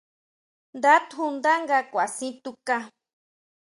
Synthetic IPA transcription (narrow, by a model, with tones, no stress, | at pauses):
nd̪a˦t̪xu˧nd̪a˦ŋɡakʷa˨sĩ˦t̪u˧ka˦